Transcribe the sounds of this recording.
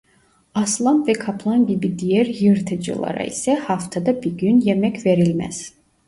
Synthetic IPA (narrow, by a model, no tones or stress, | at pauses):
ɑslˠanvɛkʰapʰlˠanɟibid̪ijɛɾjɯɾt̪ʰɯd͡ʒɯ̰lˠa̰ɾa̰ḭsɛhaft̪ʰad̪abiɾɡynjɛmɛcʰveɾilmɛ̰z̥